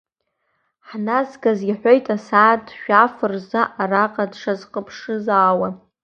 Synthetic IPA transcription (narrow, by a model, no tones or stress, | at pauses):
ħnazɡaziħʷo̞jtʼasaːtʃᶣafɨrzaʔaraqʼadʂazqʼəpʰʂɨzaːwa